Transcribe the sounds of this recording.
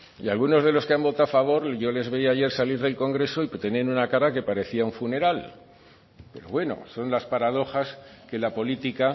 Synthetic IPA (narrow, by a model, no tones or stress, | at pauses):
ialɣ̞uno̞zð̞e̞lo̞skeambo̞t̪afaβ̞o̞ɾʝo̞le̞zβe̞iaʝe̞ɾsaliɾðe̞lko̞ŋɡɾe̞so̞ipt̪e̞ne̞ɾunakaɾake̞paɾe̞θiauɱfune̞ɾal | pe̞ɾo̞̰βwe̞no̞̰so̞nlaspaɾað̞o̞xaske̞lapo̞lit̪ika